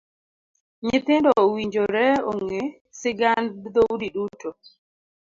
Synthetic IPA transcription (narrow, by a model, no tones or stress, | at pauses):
ɲɪt̪ɪndɔwiɲd͡ʒoɾɛoŋŋe | sɪɡand̪oudiɗuto